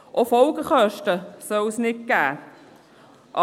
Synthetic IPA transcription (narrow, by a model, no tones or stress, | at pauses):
ʔofɔlɡəχœʃtəsœlsnɪt̚ɡ̥æː | ʔ